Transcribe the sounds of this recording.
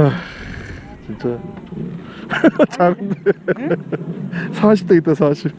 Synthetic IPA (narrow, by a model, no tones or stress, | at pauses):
a | t͡ɕint͡ɕ͈a | t͡ɕaɡde | sʰaɕʰi̥p̚t͈eit͈ːesʰaɕʰip̚